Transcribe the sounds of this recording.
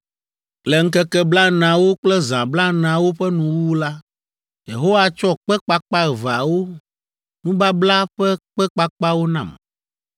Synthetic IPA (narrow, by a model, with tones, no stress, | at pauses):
lɛ˨ŋ̩˦kɛ˦kɛ˦bla˦nã˨wo˦k͡plɛ˦zã˨bla˦nã˨wo˦ɸɛ˦nũ˨wu˦la˦ | je˨ɦo˦wa˦t͡ʃɔ˦k͡pɛ˦k͡pa˦k͡pa˦ɛ˨va˨wo˦ | nũ˦ba˦bla˦ɸɛ˦k͡pɛ˦k͡pa˦k͡pa˦wo˦nã̰˨m